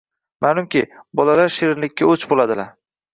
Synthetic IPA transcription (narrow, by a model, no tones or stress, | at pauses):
maːlʊmkʲɪbɒlalaɾʃeɾɪnlɪkʲːaɵt͡ʃbolad̪ɪlaɾ